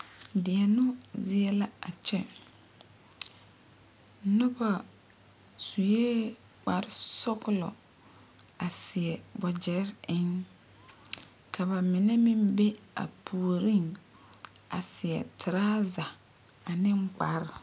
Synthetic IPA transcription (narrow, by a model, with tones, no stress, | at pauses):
dɪ˨ɛ˨nʊ˦zɪ˦ɛ˦la˦a˨t͡ʃɛ˦ | nʊ˦ba˨ | su˨jeː˦k͡pa˨˦ɾsɔ˦kʊ˦lɔ̰˨ | a˨sɪ˨ɛ˨bɔ˨d͡ʒɛ˨˦ɾɪ˦ŋ | kʰa˨βa˨mɪ˨nɛ˦mɪ˦mbe˦a̰˨pʰuː˨ɾi˦ŋ | a̰˨sɪ˨ɛ̰˨tʰɪ˨ɾaː˦za˨a˨nɪ˦ŋk͡pa̰˨˦ɾ